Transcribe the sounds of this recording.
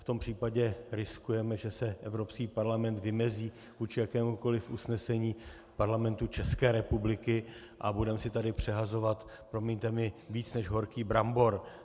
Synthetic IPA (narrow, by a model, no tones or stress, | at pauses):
ft̪o̞mpr̝̥iːpaɟɛɾɪskujɛmɛʒɛsɛʔɛvɾopskiːpaɾlamɛnt̪vɪmɛziː | vuːt͡ʃɪjakɛːmuko̞lɪfʔusnɛsɛɲiː | paɾlamɛnt̪ut͡ʃɛskɛːɾɛpublɪkɪ | ʔabudɛmɛsɪt̪adɪpr̝̥ɛɦazo̞vat̪pɾomiɲt̪ɛmɪviːt͡snɛʒɦo̞ɾkiːbɾambo̞ɾ